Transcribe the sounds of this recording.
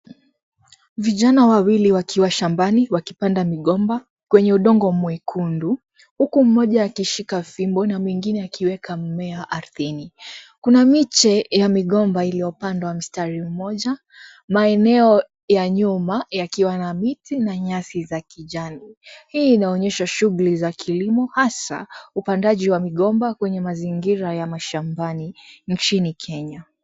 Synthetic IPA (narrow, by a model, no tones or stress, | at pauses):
viʄanawawiliwakʰiwaʃambaniwakipandamiɠɔmba | kwɛɲɛuɗɔŋɡɔmwɛkʰundu | hukum̩ːɔʄaːkiʃikafimbɔnamwɛŋɡinɛakiwɛkamɛaʔaɾuθinikunamit͡ʃɛjamiɠɔmbailijɔpandawam̩staɾim̩mɔʄa | maɛnɛɔ | jaɲumajakiwanamitinaɲasizakiʄanihiːnaɔɲɛʃaʃuɣulizakʰilimɔhasa̰upandaʄiwamiɠɔmbakwɛɲɛmaziŋɡiɾajamaʃambanint͡ʃinikʰɛɲa